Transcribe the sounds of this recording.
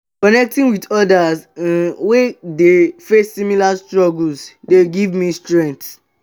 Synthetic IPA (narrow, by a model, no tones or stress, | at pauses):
kɔnɛk̚tĩnwidɔdasãnwedefesːimilastɹɔɡlsdeɡivmistɹɛ̃nt